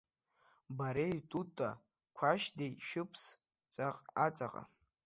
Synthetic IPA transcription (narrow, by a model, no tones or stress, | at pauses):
baɾejtʼutʼa̰ | kʷʰaʃdejʃᶣɨpʰs | t͡sʼaqʼat͡sʼa̰qʼa̰